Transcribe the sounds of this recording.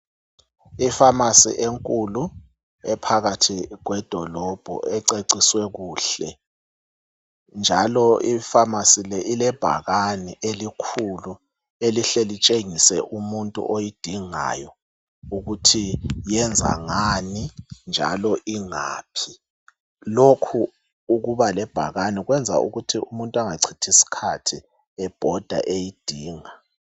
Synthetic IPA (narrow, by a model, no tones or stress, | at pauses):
ifamasḭʔeŋkʼulu | ɛpʰaɣatʰiɣwɛd̥ʱɔlɔb̥ʱɔ̰ʔɛǀeǀiswɛɣuːɬɛ | nd͡ʒʱalɔifamasilɛʔilɛb̥ʱa̰ɣaniʔelikʰulu | eliɬɛlit͡ʃʼeŋisɛʔumuntʼṵʔojid̥ʱiŋa̰jɔ | uɣutʰijɛnd͡zʱa̰ŋanind͡ʒʱa̰lɔʔiŋa̰ːpʰi | lokʰuː | ɣuβalɛb̥ʱa̰ɣaniɣwɛnd͡zʱa̰ṵɣutʰiumuntʼaŋaǀʰitʰisi̥kʰatʰi | ɛb̥ʱɔd̥ʱa̰ʔejid̥ʱiːŋa